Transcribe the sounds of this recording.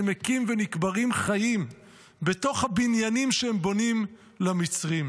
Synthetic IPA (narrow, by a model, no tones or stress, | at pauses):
mekimvenikbaʁimχajim | be̞to̞χhabinjanimʃeembo̞nim | lamit͡sʁim